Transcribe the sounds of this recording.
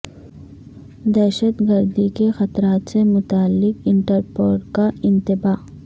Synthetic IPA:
d̪ɛːʃət̪ɡəɾd̪ikexɐt̪ɾaːt̪semʊt̪aːlːɪkɪɳʈəɾpoːɾkaɪ̃nt̪ɪbaː

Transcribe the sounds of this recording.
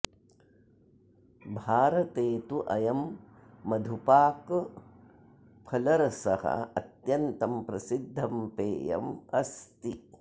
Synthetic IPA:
bʱaːɾɐt̪eːt̪uʔɐjɐmː | ɐd̪ʱupaːk | pʰɐlɐɾɐsɐhɐ̰ɐ̰t̪jɐnt̪ɐmpɾɐsid̪ʱːɐmpeːjɐ̰mɐst̪i

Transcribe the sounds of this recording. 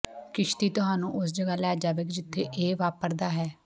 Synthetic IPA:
kɪʃt̪iːt̪ʊɦaːnũːʔʊsd͡ʒəɡaːlɛːd͡ʒaːʋekd͡ʒɪt̪ʰːeːʔeːʋaːpəɾd̪aːɦɛː

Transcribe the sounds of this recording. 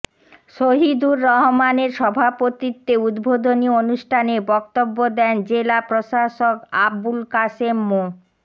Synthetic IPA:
ʃoɦid̪uɾːɔɦomaneɾʃɔbʱapot̪it̪ːeud̪bʱod̪ʱonionuʃʈʰanebɔk̚t̪obːod̪ɛnd͡ʑelapɾoʃaʃokabulkasemːo

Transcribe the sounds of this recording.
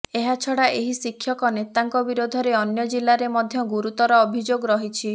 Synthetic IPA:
eɦat͡ʃʰɔɽaʔeɦisikʰːjɔkɔnet̪aŋkɔbiɾod̪ʱɔɾeɔnjɔd͡ʒilːaɾemɔd̪ʱjɔɡuɾut̪ɔɾɔːbʱid͡ʒoɡɾɔɦit͡ʃʰi

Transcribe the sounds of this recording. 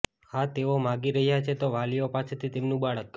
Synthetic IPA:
hãt̪eomãɡiɾəɦjat͡ʃʰet̪oʋalijopaset̪ʰit̪emnũbaɭəkː

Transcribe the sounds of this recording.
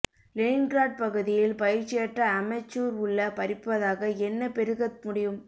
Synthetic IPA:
leːnɡɾaːʈ̚pɐɣɯðɪjɪlpɐjɪɾt͡ʃːɪjɐʈrɐːmɐt͡ʃːuːɾʊɭːɐpɐɾɪpːɐðaːɣɐɛnːɐpɛɾɯɣɐt̪mʊɽɪjɯm

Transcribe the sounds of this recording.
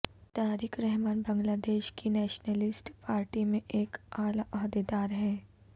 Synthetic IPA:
t̪aːɾikʰɾɛɦmaːnbɐ̃ŋɡlaːd̪eːʃkinɛːʃnəlɪsʈpaːɾʈimẽʔeːkaːlaʔɔɦd̪ed̪aːɾɦɛː

